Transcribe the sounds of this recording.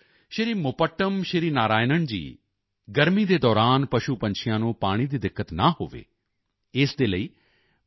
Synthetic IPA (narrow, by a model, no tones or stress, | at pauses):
ʃɪɾiːmʊpəʈːəmʃɪɾiːnaːɾaːjnəɳd͡ʒḭː | ɡəɾmiːd̪eːd̪ɔːɾaːnpəʃuːpəɲt͡ʃʰɪjãːnũːpaːɽ̃iːd̪iːd̪ɪkːət̪naːɦo̰ːʋḛː | ɪsd̪eːləiː